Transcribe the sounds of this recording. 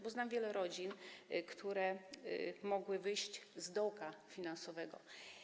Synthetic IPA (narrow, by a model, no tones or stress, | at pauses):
bɔznamvʲjɛlɛɾɔd͡ʑinkt̪ʰuɾɛ | mɔɡwɘvɘjɕt͡ɕzd̪ɔwkafʲinansɔvɛɡɔ